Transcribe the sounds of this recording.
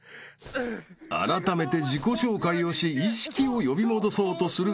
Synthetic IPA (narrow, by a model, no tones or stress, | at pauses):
a̰ɾat̪ame̞t̪e̞d͡ʑiko̞ɕo̞ːkaio̞ɕiiɕi̥kʲio̞jo̞bʲimo̞d̪o̞so̞ːt̪o̞sɨɾɯ̟